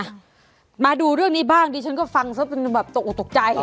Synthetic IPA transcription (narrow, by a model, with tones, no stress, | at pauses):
maː˧duː˧ɾɯ˥˩əŋniː˦˥baː˥˩ŋtiː˧t͡ɕʰa˦˥nkɔː˥˩fa˧ŋsʰa˥˩pe˧nbɛː˨˩p̚t̪o˨˩k̚ʔt̪o˨˩k̚t͡ɕa˧j